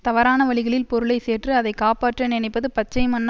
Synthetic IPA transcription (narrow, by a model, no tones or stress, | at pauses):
t̪ɐʋɐɾaːnɐʋɐɭɪɣɐɭɪlpɔɾɯɭɐɪseːrʈrɯɐðɐɪkːaːpaːʈrɐnɪnɐɪpːɐðɯpɐt͡ʃːɐɪmɐnː